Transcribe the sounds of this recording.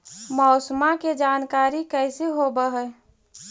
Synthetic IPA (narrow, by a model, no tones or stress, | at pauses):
mɔʊsmaked͡ʒaːnkaːɾikəɪseɦobəɦɛ